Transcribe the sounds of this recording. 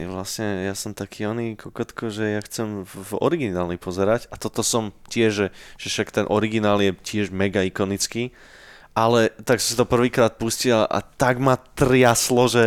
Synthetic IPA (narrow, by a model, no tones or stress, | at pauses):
ʋlasɲɛjasɔmt̪akʰiːɔnikɔkɔt̪kɔʒɛjaxt͡sɛmvɔ̰ɾiɡinaːlɲipʰɔzɛɾacat̪ɔt̪ɔsɔmcɪɛʒʒɛʒ̥ɛfʃakt̪ɛnʔɔɾiɡinaːljɛcɪɛʒmɛɡaikɔnit͡skiː | ʔalɛt̪aksɔmsat̪ɔpr̩ʋiːkɾaːt̪̚puscilaʔa̰t̪aɡmat̪rɪjaslɔʒɛ